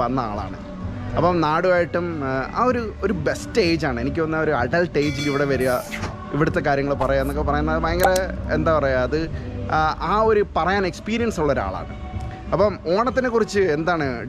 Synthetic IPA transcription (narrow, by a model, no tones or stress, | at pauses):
ɐnːɐa̰ːɭa̰ːɳɨ̰ | ɐpːomnaːɽuaːjiʈːuma̰ːo̞ɾuo̞ɾube̞stːe̞ːd͡ʑaːɳɨe̞nikʲːɨʋɐnːao̞ɾuɐɖɐlʈːe̞ːd͡ʑiliʋiɽe̞ʋɐɾujɐ | iʋiɽut̪ːe̞kaːɾjɐŋːɐɭpɐrɐjaːenːokːepɐrɐjunːɐðɨmajɐŋɡɐleḛnd̪aːpɐrɐjaɐðɨ | aːo̞ɾupɐrɐjaːne̞kspiːɾijɐnsuɭːɐoɾa̰ːɭa̰ːɳɨ̰ | ɐpːomo̞ːɳɐt̪ːinekurit͡ɕːɨe̞nd̪aːɳɨ